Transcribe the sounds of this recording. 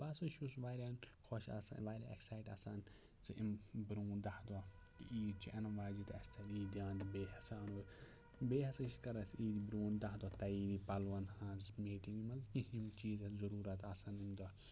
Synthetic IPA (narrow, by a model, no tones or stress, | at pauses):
bɐsɐʃusʋaːɾʲaːnkʰɔʃa̰sa̰ʋaːɾʲa̰ḛksaːjʈɐ̰ːsaːn | siʔḭmbɾuːnd̪ɐhd̪ɔː | kiiːd̪t͡ʃʰiʔɐnɐʋaːzit̪ɐsʲt̪ʰɐliːd̪ʲãːnd̪ibeːhɐsaːno | beːɦɐsɐsikɐɾɐsiːd̪ibɾuːnd̪ɐɦd̪ɔːt̪ɐiːd̪ipɐlʋɐnhãːzmiːʈĩŋɡimɐlkĩhimt͡ʃiːzɐzɐɾuːɾɐt̪aːsanimd̪ɔ